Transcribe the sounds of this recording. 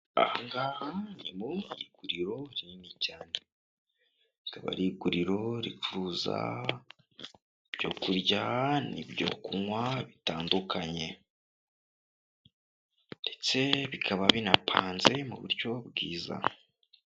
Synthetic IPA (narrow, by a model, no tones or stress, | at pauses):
a̰haŋɡahanimujḭɡ̥uɾiɾo̞ɾinicaːne | kaβa̰ɾiːɡuɾiɾo̞ɾifuɾuza̰ | ibɟo̞̰ːkuɾɟanibɟo̞̰ːkuŋwaβitaːndukʰaɲe̞ | nde̞t͡se̞βikʰaβaβinapʰaːnze̞mṵβṵɾjobɡiːza̰